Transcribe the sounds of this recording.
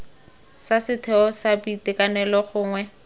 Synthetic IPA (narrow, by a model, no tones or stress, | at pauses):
sasɪtʰɛɔsapitɪkanɛlɔχʊːŋwɛ